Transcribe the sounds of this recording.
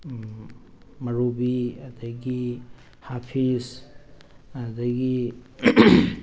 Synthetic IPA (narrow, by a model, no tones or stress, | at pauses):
mɐɾubiɐdɐɡi | hapʰis | ɐdɐɡi